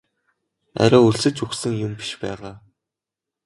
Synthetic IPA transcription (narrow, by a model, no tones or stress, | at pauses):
æ̰ɾʲɔːuɮsɘ̆t͡ɕuxsɘ̆ŋjʊmpi̥ʃpæːʁaː